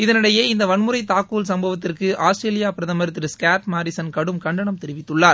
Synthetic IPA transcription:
ɪðɐnɪɽɐjeːɪnd̪ɐʋɐɳmɯɾɐɪt̪aːkuːlsɐmbɐʋɐt̪ːɪrkɯʔaːsʈɾeːlɪjaːpɪɾɐðɐmɐɾɯt̪ːɪɾskaːʈmaːɾɪsɐnkɐɽɯmkɐɳɖɐɳɐmt̪ɛɾɪʋɪt̪ːɯɭːaːɾ

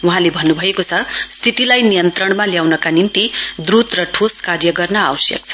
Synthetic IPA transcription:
wuɦãlebʱʌnːubʱʌekot͡sʰʌst̪ʰit̪ilajnijʌnt̪rʌɳ̃maljawnʌkanimt̪id̪rut̪rʌʈʰoskarjʌɡʌrnʌawʌsjʌ̰k̚t͡sʰʌ̥

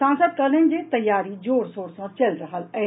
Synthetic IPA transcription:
ãːnsəd̪̚kɐɾlend͡ʒet̪ɐjːaːɾid͡ʒoːɽsoːɽsãt͡ʃɐlɾəɦəlɛː

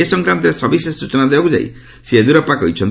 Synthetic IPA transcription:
esɔŋkɾant̪ɔɾesɔbisesut͡ʃɔnad̪ebakud͡ʒa̰j̰ | sied̪uɾapakɔɦit͡ʃʰɔn

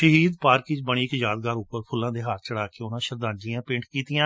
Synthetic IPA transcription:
ʃəɦiːd̪paːɾkɪ̃d͡ʒbəɽ̃iːɪkjaːd̪̚ɡaːɾʊpːəɾpʰʊlːãːd̪eːɦaːɾt͡ʃəɽaːkeːʊnãːʃəɾd̪ãːd͡ʒiːãːpɪ̃ɳʈkiːt̪ɪjãː

